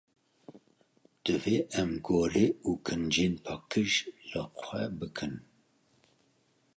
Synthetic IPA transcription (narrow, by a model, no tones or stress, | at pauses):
d̪̥ɨveːʔɛmɡoːɾeːuːkʰɨnd͡ʒeːnpʰɑːkʰɨʒlɨxʷɛbɨkʰɨn